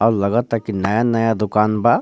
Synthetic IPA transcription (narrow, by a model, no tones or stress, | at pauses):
ɔːɾlɐɡət̪ːakinɐjanɐjad̪ʊkaːnba